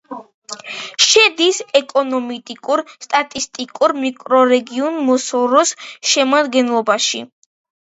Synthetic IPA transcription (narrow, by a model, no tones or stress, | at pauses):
ʃɛd̪isɛkʼɔnɔmit̪ʼikʼuɾst̪ʼat̪ʼist̪ʼikʼuɾmikʼɾɔɾɛɡiɔnmɔsɔɾɔsʃɛmad̪ɡɛnlˠɔbaʃḭ